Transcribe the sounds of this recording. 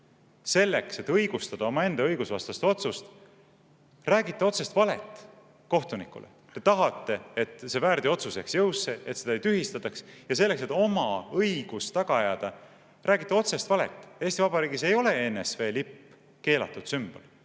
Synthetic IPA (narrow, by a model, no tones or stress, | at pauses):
se̞lːe̞kse̞t̪ːɤjɡ̥ust̪ɑd̪̥ɑo̞mɑe̞nd̪̥ɑɤ̞jɡ̥usvɑst̪ɑst̪eo̞t̪sust̪ | ræːɡit̪ːˑe̞o̞t̪se̞st̪vɑle̞̰t̪ːˑ | ko̞ht̪unikːˑṵlʔḛt̪e̞t̪ɑɦɑt̪ːe̞et̪se̞væːɾd̪io̞t̪suseksjɤwsːeet̪sed̪ɑejt̪yɦist̪ɑt̪ːˑɑksjɑs̬e̞lːe̞kse̞t̪ːˑo̞mɑɤjɡ̥ust̪ɑɡ̥ɑjɑːd̪̥ɑ | rʔæːɡit̪ːˑeo̞t̪se̞st̪vɑle̞̰t̪ːˑeːsʲt̪ivɑbɑɾiːɡise̞jo̞le̞e̞ːnesve̞ːlipː | ke̞ːlɑ̰t̪ːˑud̪̥symb̥o̞̰l